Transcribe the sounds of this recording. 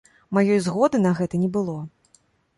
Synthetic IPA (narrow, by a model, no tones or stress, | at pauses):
majɔjzɣɔd̪ɨnɐɣɛt̪ɐnʲɛbɨlˠɔ